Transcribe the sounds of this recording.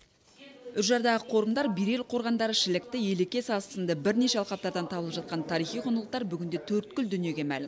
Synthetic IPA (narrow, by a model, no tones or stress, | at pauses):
ʏʃʒɑɾd̪ɑʁəqʰo̞ɾəmd̪ɑɾbijɾe̞lqʰo̞ɾʁɑnd̪ɑɾəʃɪlɪk̚t̪ɪje̞lekʲe̞sɑst̪ənd̪əbɪɾne̞ʃe̞ɑlˠqɑp̚t̪ɑɾd̪ɑnt̪ʰɑblˠəpʒɑt̪̚qɑnt̪ʰɑɾijχijqʰonəlˠəq̚t̪ɑɾbʏɡʲɪnd̪e̞t̪ʰɵɾt̪kʲʏld̪ʏnije̞ɡʲe̞mælɪm